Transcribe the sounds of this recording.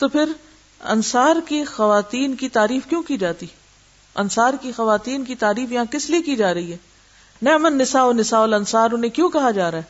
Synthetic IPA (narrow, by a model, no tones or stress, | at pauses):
t̪oːpʰɪɾ | ɐ̰nsaːɾkixɐʋaːt̪iːnkit̪aːɾiːfkjõːkid͡ʒaːt̪i | ɐ̰nsaːɾkixɐʋaːt̪iːnkit̪aːɾiːfjɐɦãkɪsliekid͡ʒaːɾɐɦiɦɛː | nɛːmənːɪsaːoːnɪsaːoːlɐnsaːɾʊnẽkjõːkɐɦad͡ʒaːɾaɦɛː